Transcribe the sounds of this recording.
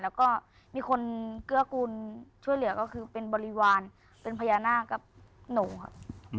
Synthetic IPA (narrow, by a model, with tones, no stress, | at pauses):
lɛː˦˥wkɔː˥˩ | miː˧kʰo˧nkɯ˧˥˩ɐkuː˧nt͡ɕʰu˥˩əjlɯ˨˩˦ɐkɔː˥˩kʰɯː˧pe˧nbɔː˧li˦˥waː˧n | pe˧npʰa˧jaː˧naː˥˩˨ka˨˧˩p̚noː˨˩˦kʰa̰˧˩p̚